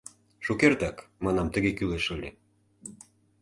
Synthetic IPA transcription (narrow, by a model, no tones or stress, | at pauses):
ʃukert̪ɑkmɑnɑmt̪ə̆ɣekyleʃə̆lʲḛ